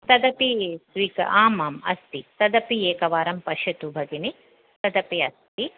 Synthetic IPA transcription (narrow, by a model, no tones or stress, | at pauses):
t̪ɐd̪ɐpieːsʋiːkɐ̰ʔaːmaːmɐ̰st̪it̪ɐd̪ɐpieːkɐʋaːɾɐmpɐʃɐt̪ubʱɐɡini | t̪ɐd̪ɐpiɐst̪i